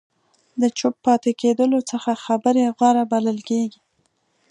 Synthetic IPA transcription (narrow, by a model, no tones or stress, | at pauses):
d̪ət͡ʃʊpːɑt̪eked̪əlot͡səxaxabəɾeɣwaɾabaləlkeɡi